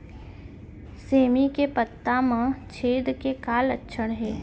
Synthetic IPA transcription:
seːmikepət̪ːamãt͡ʃʰeːd̪kekaːlətːʃʰəɽɦɛː

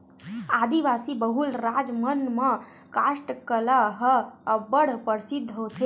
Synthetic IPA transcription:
aːd̪iʋasibəɦulɾad͡ʒmənmə̃ | kaʃʈkəlaɦəəbəɽ̤pəɾsid̪ʱːɦot̪ʰe

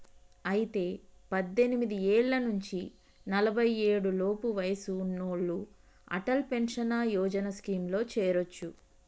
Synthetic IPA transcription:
ɐjit̪e̞ːpɐd̪ːe̞nimid̪ieːɭːɐnuɲt͡ʃi | nɐlɐbʱɐjeːɽulo̞ːpuʋɐjɐsunoːɭːu | ɐ̰ʈɐlpenʂɐnaːjɔːd͡ʒɐnɐskiːmlo̞ːt͡ʃɛːɾot͡ʃːu

